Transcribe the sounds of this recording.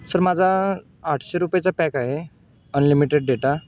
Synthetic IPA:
səɾmad͡zʱa | aʈʰɕeɾupjet͡sapɛkaɦe | ənlimiʈeɖ̚ɖeʈa

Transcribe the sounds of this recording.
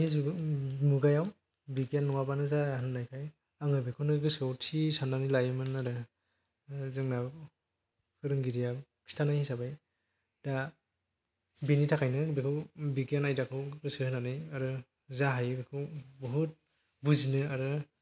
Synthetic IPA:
iz | muɡajaw | biɡjanːɔŋabanɯzahnɯnajkʰaj | aŋɯbikʰunɯɡɯsɔwtʰisandanilajmɯnaɾɯ | zɯŋna | kʰɯɾɯŋɡiɾijakʰi̥stʰanajhisabaj | d̥a | binitʰakʰajnɯbikʰɯwbiɡijanajdakʰɯɡɯsɯɯnanɯjaɾɯ | zaɦajbikʰɯwbɔɦut̚ | buzinɯaɾɯ

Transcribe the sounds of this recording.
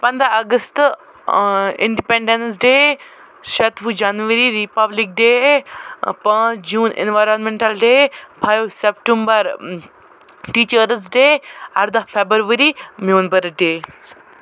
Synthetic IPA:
pɐ̃nd̪aɐɡəst̪ | ḭɳɖipẽɳɖensɖeː | ʃɐt̪ʋud͡ʒanʋəɾiɾipɐblik̚ɖeː | pãːd͡ʒuːnḛnʋajɾonmẽɳʈɐlɖeːpʰajʋsepʈumbɐɾ | ʈiːt͡ʃəɾs̬ɖeːɐ̰ɾd̪ɐfʰebəɾʋəɾimuːnbəɾɖeː

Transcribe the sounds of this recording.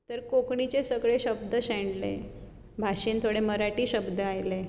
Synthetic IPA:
t̪əɾkokɳit͡ɕesəɡɭeɕəb̚d̪əɕɛ̃ɳɖlḛ | bʱaɕiːnt̪ʰoɽeməɾaʈiːɕəbd̪ʱəajle

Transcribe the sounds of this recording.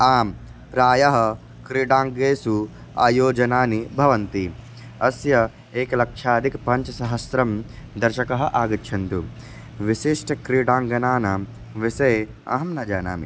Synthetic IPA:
aːm | pɾaːjɐɦɐ | kɾiːɽaːŋɡeːsu | a̰ːjoːd͡ʒɐnaːnibʱɐʋɐnt̪i | ɐsjɐ | eːkɐlɐkʂaːd̪ʱikpɐɲt͡ʃɐsɐɦɐsɾɐmd̪ɐɾʃɐkɐɦɐʔaːɡɐtːʃʰɐnt̪u | ʋiʃiʂʈɐkɾiːɽaːŋɡɐnaːnɐ | ʋisɐj | ɐ̰ɦɐmnɐd͡ʒaːna̰ːmḭ

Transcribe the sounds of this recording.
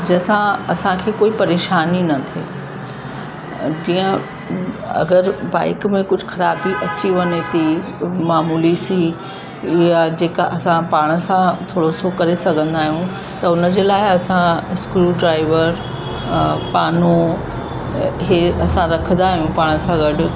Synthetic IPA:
d͡ʑɐsãɐsãkʰeːkoːipɐɾeːʃaːninɐt̪ʰḛː | d͡ʑiːə̃ | ɐ̰ɡəɾba̰ːɪkmẽkʊd͡ʑʱʊxɐɾaːbiʔɐt͡ɕiʋɐɲet̪i | maːmuːlisi | jad͡ʑeːkaʔɐsãpaːɽ̃ə̆sãt̪ʰoːɽosokɐɾesɐɡʱə̃nd̪aːɦijũ | t̪ɐʊnəd͡ʑeːlaːɪɐsãskɾuɖɾaːɪʋəɾ | paːno | ɦeɐsãɾɐkʰə̃n̆d̪aːɦijũpaːɽ̃əsãɡɐɖʊ̆

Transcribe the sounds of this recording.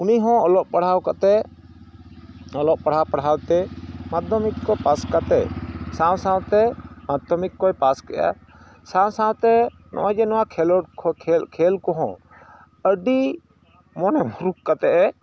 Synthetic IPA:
uniɦɔ̃ɔlɔʔpaɽɦawkat̪ɛ | ɔlɔʔpaɽɦawpaɽɦawt̪ɛmad̪ɔmikːɔpaskat̪ɛ̰sãwsãw̃t̪ɛmad̪ɔmikːɔjpaskɛʔa̰ | sãw̃sãwt̪ɛ | nʔɔ̰wad͡ʒɛnɔwakʰɛlɔkʰkʰɛlkɔɦɔ̰̃ | əɖi | mɔnɛmuɾukkat̪ɛʔɛ

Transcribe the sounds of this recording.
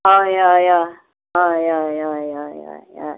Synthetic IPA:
ojaja | ojajajaja̰ja̰

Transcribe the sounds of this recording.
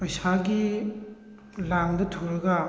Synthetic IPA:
pɐjsaɡi | laŋdɐtʰoɾɐɡɐ

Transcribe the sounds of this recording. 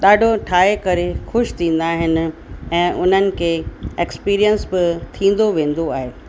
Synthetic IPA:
ɗaːɖʱoʈʰaːɦekɐɾexʊʃt̪ʰĩːn̆d̪aːɦɪnɪ̆ɛ̃ːʔʊn̤ənɪ̆kʰeːekspiːɾijənsbɪt̪ʰĩːn̆d̪oʋẽːn̆d̪oaːɦeː

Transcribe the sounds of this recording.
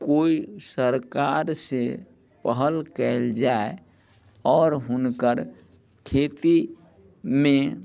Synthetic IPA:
koisəɾkaɾse | pəɦəlkɛɪld͡ʒae | ɔːɾɦʊnkəɾ | kʰet̪i | mẽ

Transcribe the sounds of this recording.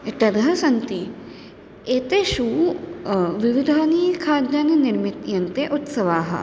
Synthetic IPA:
ʈ̪ɐd̪ɦɐsɐnt̪i | eːt̪eʃu | ʋiʋid̪ʱaːniːkʰaːd̪janinɪɾmit̪jɐnt̪eʔut̪sɐʋaːɦɐ̰

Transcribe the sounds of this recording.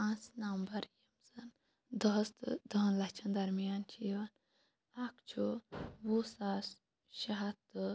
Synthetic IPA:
ãːnsnɐmbɐɾjɐmzɐn | d̪ɐst̪ɨd̪ɐnlɐkt͡ʃʰɐnd̪ɐɾmijaːnt͡ʃʰiʋɐn | akt͡ʃʰuʋusaːs | ʃaɦat̪ɨ

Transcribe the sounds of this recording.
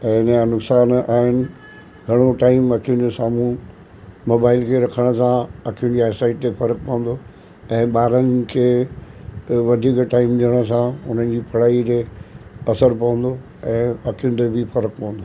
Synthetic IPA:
nanʊksaːnaːɦɪnɪ̆ | ɡʱɐɽ̃oʈaːɪmɐkʰijʊ̃t̪esaːmũ | moːbaːɪlkʰeɾɐkʰəɽ̃ə̆sãɐkʰijʊ̃̆d͡ʑiaːsaːiʈt̪efɐɾək̚pɐʋə̃n̆d̪o | ɛ̃ːɓaːɾənɪkʰeː | ʋɐd̪ʱiːkʈaːɪmɗiəɽ̃ə̆sãʊn̤ənd͡ʑiːpʰɐɽ̤aːit̪eɐsəɾpɐ̃ʋə̃n̆d̪o | ɛ̃ːɐkʰijʊ̃n̆t̪ebʱɪfɐɾək̚pɐ̃ə̃n̆d̪o

